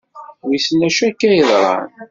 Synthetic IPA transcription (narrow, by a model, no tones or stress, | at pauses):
wiθənæʃækːæjəðˤɾˤɑ̰n